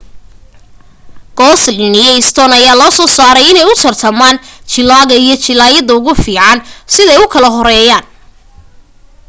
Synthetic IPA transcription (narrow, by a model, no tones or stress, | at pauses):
ɡ̥ɔːslɪnɪjɐɪst̪ʰɔːnɐjaːlɔːsɔːsaːɾɛjɪnɛjʊt̪ʰɐrt̪ʰɐmaːnt͡ʃɪlaːɣɐijɞt͡ʃɪlaːjɐðɐʊɣʊfiːʕansɪðɛjʊkʰɐlɐɦɔɾɛːjaːn